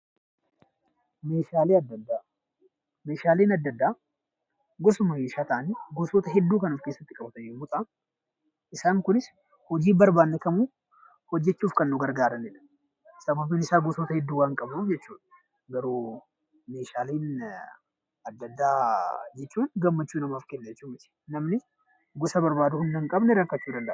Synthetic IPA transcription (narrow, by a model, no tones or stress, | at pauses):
meːʃaːleːɐd̪ːɐd̪ːaː | me̞ːʃaːleːnɐd̪ːɐd̪ːaː | ɡɔsʊmɐmeːʃaːt̪aːniɡɔsoːt̪ɐɦɛd̪ːuːkɐnuːfkeːsːɐt̪ːɪkʼɐbɐt̪ɐnɛmʊt̪ʼa | ʔɪsaːŋkʊnɪs | hɔd͡ʒiːbɐɾbaːnːɛkɐmuː | hɔd͡ʒːɛt͡ʃːuːfkɐnːʊɡɐɾɡaːɾɐnɛᶑɐ̥ | sɐmɐfmɪnɪʃaːɡɔsoːt̪ɐhɛd̪ːuːwaːŋkʼɐbnud͡ʒɛt͡ʃːuːᶑɐ̥ | ɡɐɾuː | meːʃaːleːn | ɐd̪ːɐd̪ːaːd͡ʒɛt͡ʃːuːnɡɐmːɐt͡ʃːuːnɐmaːfkɛnːɛd͡ʒɛt͡ʃːuːmɪt̪ɪ̥nɐmnɪ | ɡɔsɐbɐɾbaːd̪ʊhʊnd̪ɐŋkʼɐbnɛɾɐkːɐt͡ʃːuːd̪ɐnd̪ɐʔ